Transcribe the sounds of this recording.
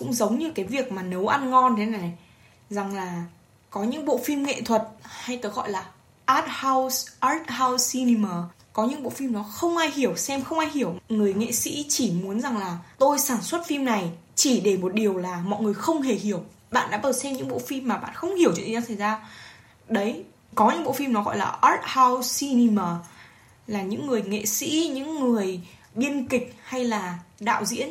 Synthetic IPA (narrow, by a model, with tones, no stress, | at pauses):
kʊ̰˧˥ŋ͡mzə˨˦wŋ͡mɲɨ˧kaː˨˦jvi˨˩ək̚maː˨˩nə˨˦wʔa˧nŋɔ˧nt̪ʰe˨˦na˨˩jna˨˩j | za˨˩ŋlaː˨˩ | kɔ˨˦ɲɨ̰˧˥ŋɓo̰˧˨fi˧mŋḛ˧˨t̪ʰwə˨˩t̚ha˧jt̪əː˨˦ɣɔ̰˧˨jlaː˨˩ | ʔaː˦˥t̚ha˧wsʔaː˦˥t̚ɦa˧wsi˧ni˧məː˨˩ | kɔ˨˦ɲɨ̰˧˥ŋɓo̰˧˨fi˧mnɔ˨˦xə˧wŋ͡mʔaː˧jhi˧˩əwsɛ˧mxə˧wŋ͡mʔaː˧jɦi˧˩əwŋɨ˨˩əjŋḛ˧˨sḭ˧˥t͡ɕi˧˩mu˨˦ənza˨˩ŋlaː˨˩t̪o˧jsaː˧˩nswə˦˥t̚fi˧mna˨˩j | t͡ɕi˧˩ɗe˧˩mo˨˩t̚ɗi˨˩əwlaː˨˩mɔ̰˧˨jŋɨ˨˩əjxə˧wŋ͡mɦe˨˩hi˧˩əw | ɓa̰ː˧˨nɗa̰ː˧˥ʔəː˨˩sɛ˧mɲɨ̰˧˥ɓo̰˧˨fi˧mːaː˨˩ɓa̰ː˧˨nxə˧wŋ͡mhi˧˩əwt͡ɕw̰a˨˦sʰə˨˩jzaː˧ | ɗə˨˦j | kɔ˨˦ɲɨ̰˧˥ŋɓo̰˧˨fi˧mnɔ˨˦ɣɔ̰˧˨jlaː˨˩ʔə˦˥t̚ha˧wsi˧ni˧məː˨˩ | laː˨˩ɲɨ̰˧˥ŋːɨ˨˩əjŋḛ˧˨sḭ˧˥ɲɨ̰˧˥ŋːɨ˨˩əj | ɓi˧ənkï˨˩k̚ha˧jlaː˨˩ɗa̰ː˧˨wzḭ˧˥ən